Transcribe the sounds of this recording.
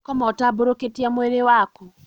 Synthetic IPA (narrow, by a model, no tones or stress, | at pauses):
kɔmɔtaboɾoketiamweɾewaku